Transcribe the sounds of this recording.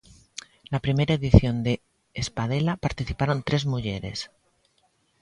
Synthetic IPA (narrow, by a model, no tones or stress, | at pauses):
lapɾime̞ɾaeðiθjo̞nd̪eː | spað̞e̞lapaɾt̪iθipaɾo̞nt̪ɾe̞zmuʝe̞ɾe̞̰s